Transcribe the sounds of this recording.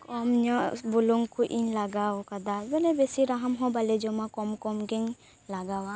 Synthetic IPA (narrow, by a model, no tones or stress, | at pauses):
kɔmɲɔbuluŋɡkuʔinlaɡaɔkad̪abɛlebesiɾaɦəmɦɔ̃baled͡ʒɔmãkɔmkɔmɡeŋ | laɡawa